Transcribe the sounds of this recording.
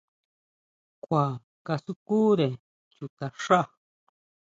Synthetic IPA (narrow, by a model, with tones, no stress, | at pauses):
kʷa˨ | ka˧su˦ku˦ɾe˨ | t͡ʃu˨t̪a˨ʂa˦ʔ